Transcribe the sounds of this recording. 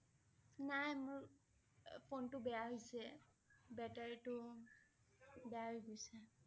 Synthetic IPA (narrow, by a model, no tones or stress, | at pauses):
najmʊɹ | pʰontʊbɛjaɦojsɛ | bɛtaɹitʊ | bɛaɦojɡojsɛ